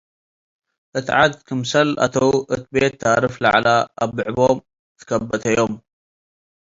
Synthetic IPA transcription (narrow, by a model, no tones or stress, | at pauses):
ʔɨt̪ʕad̪̚kʰɨmsɐlʔa̰t̪ʰɐwʔɨt̪̚bet̪ʰːaɾɨfla̰ʕlaaβːɨʕbom | t̪ʰɨ̥kʰɐbːɐt̪ʰɐjo̞m